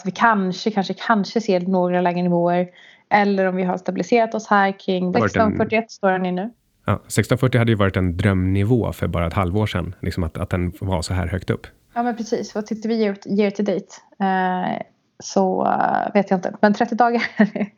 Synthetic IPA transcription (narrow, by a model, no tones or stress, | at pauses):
t̪vɪkʰanʂəkʰanʂəkʰanʂəseːɾnoːɡɾalɛːɡənɪvoːəɾ | ʔɛlːəɾɔmvɪɦaɾʂt̪abɪlɪseːɾat̪ɔshæːɾkʰɾɪŋːɛst̪ɔnfœʈːɪɛt̪ːst̪oːɾɛnɪnʉ̟ː | ɑ̰ːsɛkst̪ɔnfœʈːɪhad̪ːəjəvɑːɾɪt̪ɛnd̪ɾœmnɪvo̰ːfœ̰ɾbɑːɾaɛt̪halvoːʂɛ̰nlɪksɔmat̪a̰t̪̚d̪ɛnva̰sɔɦæ̰ːɾhœkt̪ɵ̰pː | jɑːmɛnpʰɾɛsiːsvat̪ʰʏk̚t̪ːəvɪjeːɾjeːɾt̪ʰɪd̪ɛjt̪ː | sɔveːt̪jaɪnt̪əmɛnt̪ʰɾɛt̪ːɪd̪ɑːɡaɾ